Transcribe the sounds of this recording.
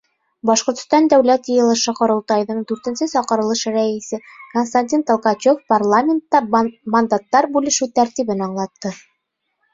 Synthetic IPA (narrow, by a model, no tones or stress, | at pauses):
bɒʃqŏɾt̪̆st̪ɑnd̪æwlæt̪jɤ̆jɤ̆lˠɤ̆ʃɤqŏɾɤ̆lˠt̪ɑjðɤɴd̪ʉɾt̪ɘ̆nsɘsɒqɤ̆ɾɤ̆lˠɤʃɾæisɘkonst̪anʲt̪ʲint̪olˠqɑt͡ɕofparlˠamʲent̪ːɑmɐnd̪at̪ːɑɾbʉlɘ̆ʃʉt̪æɾt̪iβɘnɒɴlˠɑt̪ːɤ